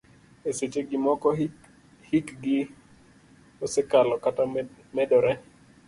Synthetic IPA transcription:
eset͡ʃeɡɪmɔkɔ | hikɡɪ | osekalɔkatamɛdɔɾɛ

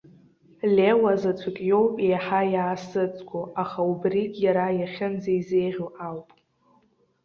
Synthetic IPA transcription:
lʲewazat͡sʷʰakʲʼjo̞wpʼejħajaːsɨt͡sʼɡʷʰʼoaχaubrikʼjaɾajaχʲɪnd͡zaizejʁʲoawpʼ

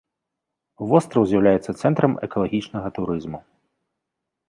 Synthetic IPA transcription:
vɔst̪ɾɐwzʲjɐwlʲajɛt̪sːɐt̪sɛnt̪ɾɐmɛ̰kɐlˠɐɣʲit͡ʂnɐɣɐt̪uɾɨzmu

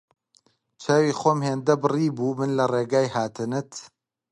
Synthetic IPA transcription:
t͡ʃʰaːwiːxoːmheːnd̪ɐbɨriːbuːmɨnlɐreːɡaːjhaːt̪ʰɨnɨt̪

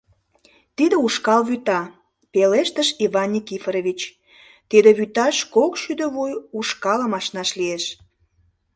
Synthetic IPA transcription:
t̪id̪əuʃkɑlβyt̪ɑ | peleʃt̪əʃivɑnʲːikifɾeβit͡ɕ | t̪id̪ĕβyt̪ɑʃkokʃyd̪ə̆βujuʃkɑləmɑʃnɑʃlieʃ

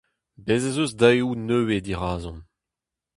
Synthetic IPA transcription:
bezezøzdaeunøːwed̪iʁaːzɔ̃n

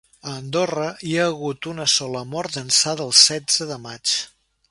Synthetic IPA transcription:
əːnd̪orəiaːɣut̪unəsɔləmɔɾt̪d̪ənsaðəəːlˠsɛd͡zəðəmat͡ʃ

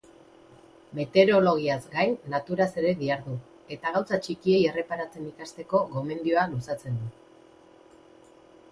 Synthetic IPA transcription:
me̞t̪e̞ɾo̞lo̞ɣ̞iazɡajnːat̪uɾase̞ɾe̞ðiaɾðu | e̞t̪aɣ̞awsat͡ʃikie̞je̞re̞paɾat͡se̞nikast̪e̞ko̞ɣo̞me̞nd̪io̞alusat͡se̞nd̪u

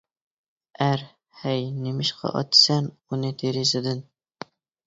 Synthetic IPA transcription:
æɾ | hæjnɪmɪʃqʰɑ̰ʔɒ̰t̪sæn | unɪt̪ʰeɾɪzɪd̪ɪn

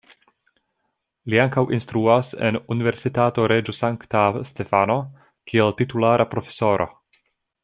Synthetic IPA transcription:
liaŋkawʔinst̪ɾuase̞̰nunive̞ɾsitato̞ɾed͡ʒosaŋktaste̞fano̞ | kʰieltitulaɾʔapɾo̞fe̞̥so̞ɾʔo̞̰

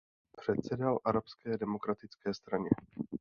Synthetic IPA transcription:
pr̥ɛt̪sɛdalʔaɾapskɛːdɛmo̞kɾat̪ɪt͡skɛːst̪ɾaɲɛ

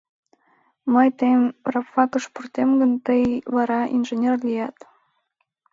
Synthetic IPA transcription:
məjt̪əjmrɑpfɑkəʃpurt̪emɡənt̪əjβɑɾɑʔḭnʒenʲerlijɑt̪

